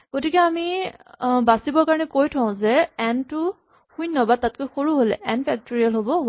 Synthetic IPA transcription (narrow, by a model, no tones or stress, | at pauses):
ɡ̥otikɛami | basibɔɹkaɹɔnɛkojtʰɔ̃ʊ̃zɛɛntʊ | hujnːɔbad̚tːat̚kojxoɹuɦolɛ̰ʔɛnpʰɛk̚toɹijalɦobɔ